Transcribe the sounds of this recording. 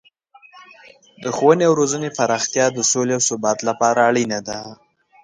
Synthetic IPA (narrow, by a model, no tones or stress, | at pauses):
d̪əxowəneawɾozənepaɾɑxt̪jɑd̪əsoleawsʊbɑt̪lapɑɾaːɽinad̪a